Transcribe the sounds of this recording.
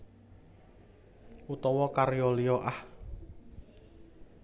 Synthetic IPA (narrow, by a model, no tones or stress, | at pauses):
ʔut̪ɔwɔkaɾioliɔʔah